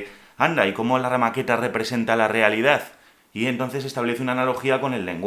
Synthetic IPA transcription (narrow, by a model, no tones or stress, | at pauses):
and̪aiko̞mo̞laramake̞t̪are̞pɾe̞se̞nt̪alare̞alið̞aθ | ie̞nt̪o̞nθe̞se̞st̪aβle̞θeunaːnalo̞xiako̞ne̞lːe̞̰ŋɡ